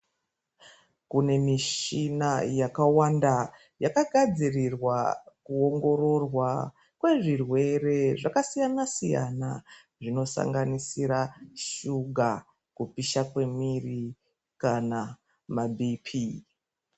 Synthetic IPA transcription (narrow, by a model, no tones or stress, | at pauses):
kune̞miʃinajakawanda | jakaɡʱad͡zirirwakuo̞ŋɡo̞ɾo̞rwa | kwe̞ʐirwe̞re̞ʐakasijanasija̰na̰ | ʐino̞sa̰ŋɡanisiɾaʃuɡʱa | kupiʃakwe̞miri | kana | mabʱipʰi